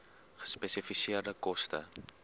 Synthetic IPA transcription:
χə̥spɛsifisiərdəkɔstə̰

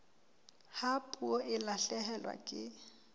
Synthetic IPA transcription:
hapʼuɔʔɪlaɬɛhɛlwa̰kʼɪ

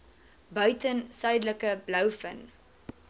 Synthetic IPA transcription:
bœɥtənsœɥdləkəblœwfən

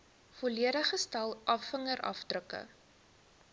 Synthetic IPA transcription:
fɔliəɾəχəstɐlˠʔɐfːəŋəɾʔɐ̰fdrəkə̰

